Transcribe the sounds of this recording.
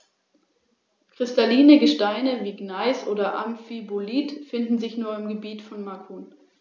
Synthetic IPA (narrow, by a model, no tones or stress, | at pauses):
kʁ̥ɪstaliːnəɡəʃtaɪnəviːɡnaɪsʔoːdɐʔa̰mfiboliːtfɪndn̩zɪçnuːɐɪmɡəbiːtfɔnmakʰuːn